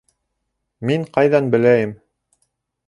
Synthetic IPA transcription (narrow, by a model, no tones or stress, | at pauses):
miɴqɑjðɑnbɘ̆læjɘm